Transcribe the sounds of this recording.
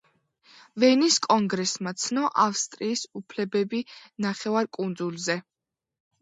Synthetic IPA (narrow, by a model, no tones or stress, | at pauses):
vɛniskʼɔŋɡɾɛsmat̪sʰnɔʔafst̪ʼɾiːsupʰlɛbɛbinaχɛvaɾkʼund̪zulˠzɛ